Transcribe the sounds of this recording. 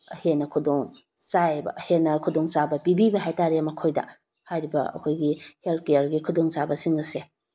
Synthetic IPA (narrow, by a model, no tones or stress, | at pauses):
henɐkʰudoŋ | t͡ʃabɐ̰henɐkʰudoŋt͡ʃabɐpibibɐɦajtaɾemɐkʰojdɐ̰ | hajɾibɐ̰ɐ̰kʰojɡihelt̚kejaɾɡikʰudoŋt͡ʃabɐsiŋɐse